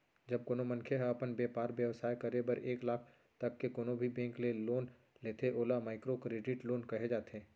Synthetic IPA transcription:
d͡ʒɐb̚koːnomɐ̃nkʰeɦɐpənbeːpaːɾʋjɐʋsaːjkɐɾebɐɾeːklaːkʰ | t̪ɐkːekoːnobʱibɛ̃ːŋkleloːn | leːt̪eʔoːlamaːɪkɾokɾeːɖɪʈloːnkɐɦed͡ʒaːt̪eː

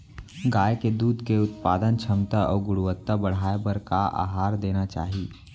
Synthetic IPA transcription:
ɡaːjeked̪uːd̪ʱkeʊt̪paːd̪ənt͡ʃʰəmt̪aɔːɡʊɽuʋət̪ːabəɽ̤aːebəɾkaa̰ːɦaːɾd̪eːnat͡ʃa̰ːɦi

